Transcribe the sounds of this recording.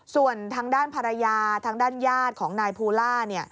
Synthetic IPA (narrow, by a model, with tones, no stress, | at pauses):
su˨˩ənt̪ʰaː˧ŋdaː˥˩npʰa˧ɾa˧jaː˧t̪ʰaː˧ŋdaː˥˩njaː˥˩t̪̚kʰɔː˩˦ŋnaː˧jpʰuː˧laː˥˩ni˥˩ɐ